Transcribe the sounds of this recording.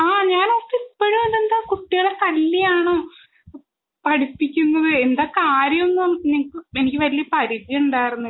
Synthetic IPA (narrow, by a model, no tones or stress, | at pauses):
aːɲaːnopːɐipːoɻumend̪end̪aːkuʈːijɐɽet̪ɐlːijaːɳo̞ː | pɐɽipːikʲːunːɐðɨe̞nd̪aːkaːɾjɐnːoniŋɐkːɨenikʲːɨʋɐlijɐpɐɾidjɐuɳɖaːjiɾunːu